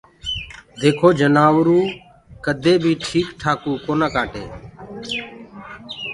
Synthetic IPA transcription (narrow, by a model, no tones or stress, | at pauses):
d̪eːkʰoːd͡ʒənaːʋɾuː | kəd̪ʱeːbʱiːʈʰiːkʈʰaːkuːkoːnaːkaːʈḛː